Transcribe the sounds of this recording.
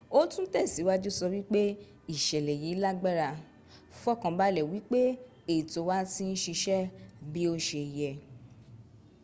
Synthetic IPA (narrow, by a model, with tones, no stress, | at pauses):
o˦tũ˦tɛ˦˨si˨˦wa˦d͡ʒu˦sɔ˧wi˦k͡pe˦ | i˦˨ʃɛ˨lɛ˨ji˨˦la˦ɡ͡bɛ˦˨ɾa˧ | fɔ˦˨kã˧ba˦lɛ˨wi˨˦k͡pe˦ | e˦˨i˨to˨˧˦wa˦tĩ˦n̩˦ʃi˧ʃɛ˦bi˦o˦ʃe˧˨jɛ˧